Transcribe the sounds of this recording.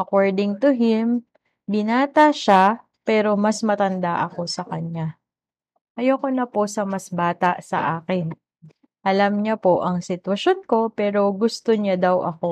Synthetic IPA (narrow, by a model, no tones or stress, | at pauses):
ʔɐkoɹd̪ɪŋt̪ʊɦɪm | bɪnaːt̪ɐʃa | pɛːɾo̞mɐsmɐt̪ɐnd̪aʔɐko̞sɐkɐɲa | ʔɐjokonɐpo̞sɐmɐsbaːt̪aʔsɐ̰ʔaːkɪn | ʔɐlɐmɲɐpo̞ʔɐŋsɪt̪wɐʃo̞nko̞pɛːɾo̞ɡʊst̪o̞ɲad̪ɐwʔɐko̞